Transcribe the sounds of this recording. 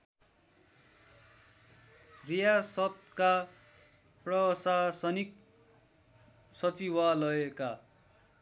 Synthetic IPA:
rijasʌt̪ka | prʌsasʌnik̚ | sʌt͡siwalʌeka

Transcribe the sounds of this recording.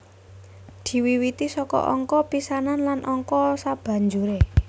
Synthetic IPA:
d̪̥i̤wiwit̪isɔkɔ̰ʔɔŋkɔpisananlanʔɔŋkɔsab̥ä̤ɲd͡ʒuɾe

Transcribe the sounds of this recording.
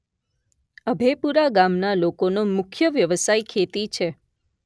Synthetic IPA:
əbʱepuɾaɡamnalokonomʊkʰjəʋjəʋəsajkʰet̪it͡ʃʰe

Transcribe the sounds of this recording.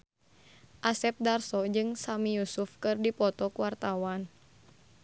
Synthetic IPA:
ʔasɛp̚darsɔd͡ʒɨŋsamijusufkɨrdipɔt̪ɔkuwart̪awan

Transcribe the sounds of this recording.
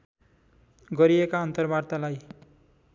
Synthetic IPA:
ɡʌɾiekaʌnt̪ʌrbart̪alaj

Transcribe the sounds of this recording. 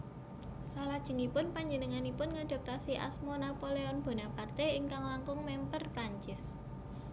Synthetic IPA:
salad̥ʒ̥ə̤ŋipʊnpaɲd͡ʒənəŋanipʊnŋad̪̥a̤p̚t̪asiʔa̰smonapoleɔnb̥o̤napart̪eɪŋkaŋlaŋkʊŋmɛmpərpɾaɲt͡ʃɪs

